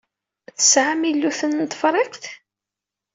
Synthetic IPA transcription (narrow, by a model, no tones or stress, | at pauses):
θə̥sʕamilːuθənnt̪ˤfɾˤɪqθ